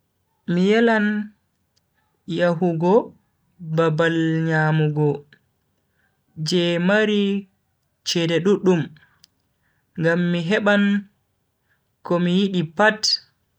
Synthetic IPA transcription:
mijɛlan | jaɦuɡɔ | babalɲaːmuɡɔ | d͡ʒɛmaɾi | t͡ʃɛdɛɗuɗum | ŋɡamːiɦɛɓan | kɔmijiɗipat

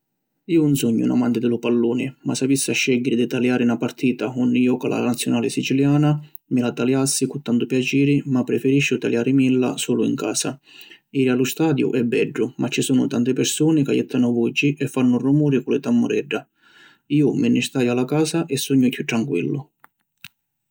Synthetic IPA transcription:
iːʊnsuɲːʊ̰na̰mant̪ɪd̪ɪlʊpalːuːnɪmasavisːaʃːɛɟɪɾɪd̪ɪt̪aljaːɾɪnapaɾt̪ʰiːt̪aɔnːɪjɔːkala̰nat̪sːjʊnaːlɪsit͡ʃiljaːna | mɪlat̪aljasːikʊt̪ːant̪ʊpjat͡ʃiːɾɪmapːɾɛfɛɾiʃːʊt̪aljaːɾɪmilːa̰suːlʊḭŋka̰ːsa̰iːɾialʊst̪aːd̪jʊ̰ʔɛbːɛɖːʊmat͡ʃːisuːnʊ̰t̪ant̪ɪpɪɾsuːnɪka̰jɛ̰t̪ʰːanʊvud͡ʒːiʔɛfːanːʊrumuːɾɪkʊlɪ̰t̪amːʊɾɛɖːa | iːʊminːɪst̪aːjalakaːsaʔɛsːuɲːʊkʰːut̪ːɾaŋkwḭlːʊ

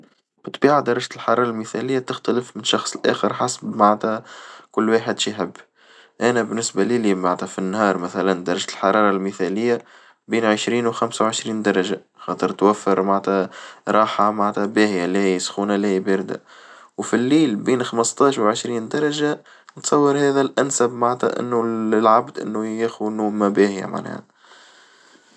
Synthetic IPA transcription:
bɪt̪ˤbiːʕad̪ɑɾˤɑʒt̪əlħɑɾˤɑːɾˤɑlmiθælɪjːat̪ɪxt̪ælɪfmɪnʃɑxsˤəlʔæ̰ːxəɾħasbmaʕt̪ækʊlːwaːħəd̪ʃiħɪbː | ʔænæbɪnːɪsbaliːlimaʕt̪æfinːhɑːɾˤmæθælænd̪ɑɾˤːɑʒt̪əlħɑɾˤɑːɾˤɑlmiθælɪjːa | biːnʕəʃɾiːnwxæmsawʕəʃɾiːnd̪ɑɾˤɑʒa | xɑːt̪ˤəɾt̪wæfːəɾmaʕt̪æɾˤɑːħamaʕt̪æbæːhjalihɪjːsxuːnalihiːbɪɾd̪æ̰ | wfilːiːlbiːnxɑməst̪ˤɑːʃwʕəʃɾiːnd̪ɑɾˤɑʒa | nt̪sˤɑwːəɾˤhæːðælʔænsæbmaʕt̪æ̰ʔɪ̰nːuɪlʕabd̪ʔɪ̰nːujæxnːuːmæbæːhja̰ma̰ʕnæ̰ːhæ

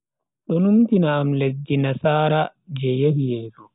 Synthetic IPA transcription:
ɗɔnumtinaːmlesd͡ʒinasaːɾa | d͡ʒɛjehijɛːlu

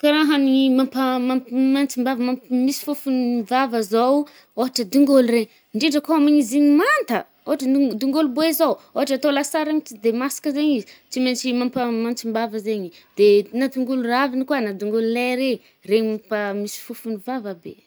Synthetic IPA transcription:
kaɾaɦanimampamammant͡simbavəmampmisi̥fufunvavəzow | oɦaʈ͡ʂəd̪uŋɡolureɲ | ɳɖ͡ʐeɖ͡ʐəkoamiɲiziɲimant̪ə | oɦaʈ͡ʂəd̪uŋɡoluboizowoɦaʈ͡ʂat̪olasaɾamit͡sid̪emasi̥kəzeɲizit͡siment͡ʃimampəmant͡simbavəzeɲid̪̥enad̪uŋɡuluravinikwanad̪uŋɡolulajɾe | reɲimampamisi̥fufunivavəbe

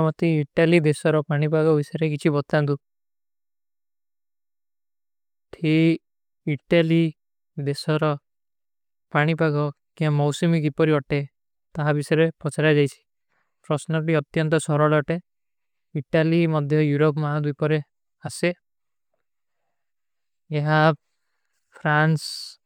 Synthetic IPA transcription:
mɔt̪iːʈalid̪esɔɾɔpaɽ̃ipaɡɔbisɔɾek̬it͡ʃʰibɔt̪ant̪u | ʈʰi | iʈali | d̪esɔɾɔ | paɽ̃ipaɡɔ | kĩãmɔwsumikipɔɾiɔʈe | t̪aɦabisɔɾepɔt͡ʃʰaɾad͡ʒajt͡ʃʰi̥ | pɾɔsnɔɾʈiɔt̪jɔnt̪ɔsɔɾɔɭɔʈe | iʈalimɔd̪ʱjɔjuɾopmaɦɔd̪ipɔɾe | ase | eɦa | pʰɾans

